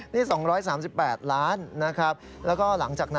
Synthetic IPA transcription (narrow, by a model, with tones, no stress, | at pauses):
niː˥˩sɔ˩˦ŋɾɔː˦˥jsaː˩˦msi˨˩pːɛː˨˩t̪̚laː˦˥nːa˦˥kʰɾa˦˥p̚ | lɛː˦˥wkɔː˥˩la˩˦ŋt͡ɕaː˨˩k̚na˦